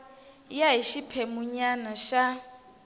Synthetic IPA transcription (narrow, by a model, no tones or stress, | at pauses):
jaɦiʃipʰɛmʊɲanaʃa